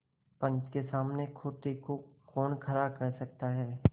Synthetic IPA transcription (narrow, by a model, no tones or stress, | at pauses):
pɐ̃nt͡ʃkesaːmnekʰoːt̪ekokɔːnkʰɐɾakɐɾsɐk̚t̪aɦɛː